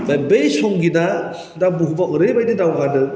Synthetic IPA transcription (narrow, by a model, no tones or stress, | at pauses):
bajbejsɔŋɡida | dabuɦubaʔɯɾebajdɯdawɡadɯ